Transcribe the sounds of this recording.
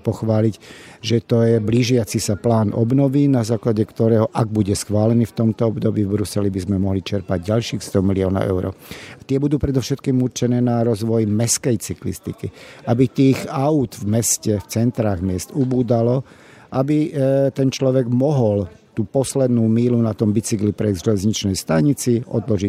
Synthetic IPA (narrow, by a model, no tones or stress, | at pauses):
pɔxʋaːlicʒɛt̪ɔjɛbliʒɪat͡sisaplaːnʔɔ̰bnɔʋinazaːklaɟɛkt̪ɔɾɛːɦɔʔaɡ̚buɟɛsxʋaːlɛniːft̪ɔmt̪ɔɔbd̪ɔbiːvbɾusɛlibizmɛmɔɦlit͡ʃɛɾpaɟɟalʃiːxst̪ɔmiliɔːnɔ̰ʔɛ̰ʊɾɔ̰ːat̪ɪɛbud̪uːpɾɛd̪ɔfʃɛt̪kiːmuɾt͡ʃɛnɛːnaɾɔzʋɔjmɛskɛjt͡siklḭst̪ḭkiabit̪iːxaud̪vmɛscɛft͡sɛnt̪ɾaːɣmɪɛst̪ubuːd̪alɔ | ʔabit̪ɛnt͡ʃlɔʋɛɡmɔɦɔlt̪uːpɔslɛd̪nuːmiːlunat̪ɔmbit͡siklipɾɛʒɛlɛzɲit͡ʃnɛjst̪aɲit͡siʔɔ̰d̪lɔʒi